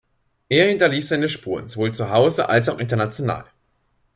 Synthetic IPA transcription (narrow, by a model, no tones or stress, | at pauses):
ʔeːɐhɪntɐliːsz̥aɪnəʃpuːʁənzovoːlt͡suɦaʊzəʔa̰ls̬aʊxʔɪntɐnat͡sjona̰ːl